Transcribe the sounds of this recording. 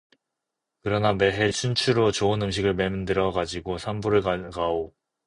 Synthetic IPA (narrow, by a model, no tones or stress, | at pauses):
kɯɾʌname̞ɦe̞t͡ɕʰunt͡ɕʰuɾot͡ɕoɯnɯmɕ̬ʰiɡɯɭme̞mɯndɯɾʌɡad͡ʑiɡosʰambuɾɯɭakao